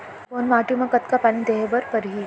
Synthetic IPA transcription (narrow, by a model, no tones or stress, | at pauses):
ʋonʋaʈumãkət̪kapanĩd̪eɦebəɾpəɾɦi